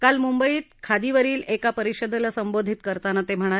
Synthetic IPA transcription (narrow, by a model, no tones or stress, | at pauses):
kalmumbəiːt̪kʰad̪iʋəɾiːlekapəɾiɕəd̪ʱlasəmbod̪ʱit̪kəɾt̪anat̪em̤əɽ̃a